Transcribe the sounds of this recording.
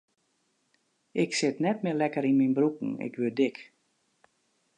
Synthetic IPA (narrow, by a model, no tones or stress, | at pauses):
ɪksɪtnɛt̚mɪlɛkəɾinminbrukn̩ɪ̰kʰʋødɪk